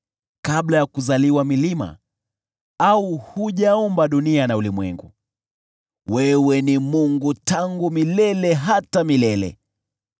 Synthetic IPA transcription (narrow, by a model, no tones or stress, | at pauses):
kaɓlajakuzaliwamilima̰ | auhuʄaɔmbaɗunianaulimwɛ̰ŋɡṵ | wɛwɛnimuŋɡutaŋɡumilɛlɛɦatamilɛlɛ̰